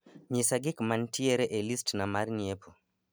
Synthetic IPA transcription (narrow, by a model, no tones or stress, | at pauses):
ɲisaɡɪkmantieɾeʔelistnamarniepʰo